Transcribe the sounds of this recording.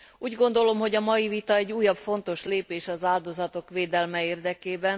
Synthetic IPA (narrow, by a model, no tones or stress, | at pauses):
uːɟɡo̞nd̪o̞lo̞mɦo̞ɟɒmɒjivit̪ɒɛɟːuːjɒbfo̞nt̪o̞ʃleːpeːʃɒzaːld̪o̞zɒt̪o̞kʋeːd̪ɛlmɛeːrd̪ɛkeːbɛn